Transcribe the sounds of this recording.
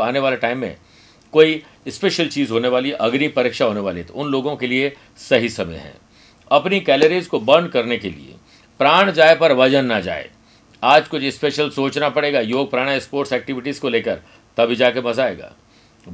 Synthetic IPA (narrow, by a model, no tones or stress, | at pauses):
aːneʋaːleʈaːɪmːḛ̃ | koːi | ɪspeːʃəlt͡ʃiːzɦoːneʋaːliʔɐɡɾipɐɾɪːkʃaɦoːneʋaːlit̪ʊnloːɡõkelie | sɐɦisɐmə̰ɦɛ̰̃ː | ɐpnikɛːləɾiːzkobɐɳɖkɐɾnekelḭḛ | pɾaːɽ̃d͡ʒaːepɐɾʋɐd͡ʒənːad͡ʒa̰ːḛː | aːd͡ʒkʊt͡ʃʰɪspeːʃəlsoːt͡ʃnapɐɽeːɡajoːɡ̚pɾaːɽ̃aɪspoːɾʈsɛːk̚ʈɪʋɪʈizkoleːkəɾ | t̪ɐbʱid͡ʒaːkebɐzaːḛːɡa̰ː